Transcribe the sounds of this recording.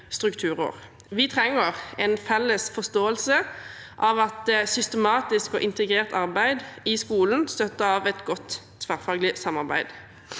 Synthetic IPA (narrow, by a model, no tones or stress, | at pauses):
st̪ʁʉkt̪ʰʉːʁə̰ʁ | ʋɪt̪ʰʁɛŋːəʁɛnfɛlːəsfɔst̪oːəlsə | ʔɑːʋɑt̪sʏst̪əmɑːt̪ɪskɔʔɪnt̪əɡʁeːʁt̪ɑʁbæɪd̪ɪskuːln̩st̪œt̪əɑːʋɛt̪ɡɔt̪ʰ | ʋæʁfɑːɡlɪsɑmɑʁbæ̰ɪd̪